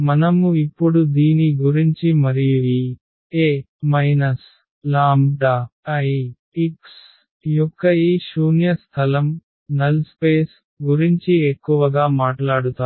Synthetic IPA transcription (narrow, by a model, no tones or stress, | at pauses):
mɐnɐmuipːuɽud̪iːniɡuɾiɲt͡ʃimɐɾijui | eː | mɐjnɐs | laːmɖaːɐ | iks | jɔkːɐiʃuːnjɐst̪ʰɐlɐm | nɐlspeːs | ɡuɾiɲt͡ʃiekːuʋɐɡaːmaːʈlaːɽut̪aː